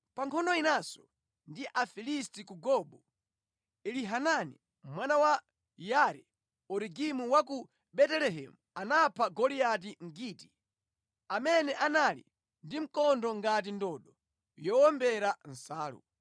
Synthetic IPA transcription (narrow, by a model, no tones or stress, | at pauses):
paŋkʰɔndɔinasɔ | ndiʔafilistikuɡɔɓɔ | iliɦananḭ | mwanawa | jaɾɛ | ɔɾiɡimuwaku | bɛtɛlɛɦɛ̰muanapʰaɡɔliat̬iŋ̩ɡiːti | amɛnɛʔanalḭ | ndim̩kɔndɔŋɡat̬indɔːɗɔ | jɔwɔmbɛɾan̩saːlṵ